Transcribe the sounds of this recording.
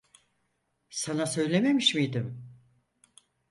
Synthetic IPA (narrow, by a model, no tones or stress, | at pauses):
sanasø̞jlʲe̞me̞miʃmijd̪ɪm